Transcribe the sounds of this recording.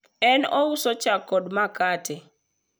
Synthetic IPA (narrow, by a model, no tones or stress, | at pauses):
ɛnɔusot͡ʃakːɔdmakatʰɛ